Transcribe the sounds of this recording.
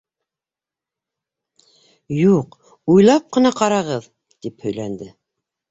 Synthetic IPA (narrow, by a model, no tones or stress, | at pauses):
juq | ujlˠɑp̚qɤ̆nɑqɑɾɑʁɤð | t̪iphɵ̆jlænd̪ɘ